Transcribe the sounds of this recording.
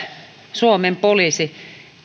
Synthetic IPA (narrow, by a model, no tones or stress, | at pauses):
suomempoliˑsi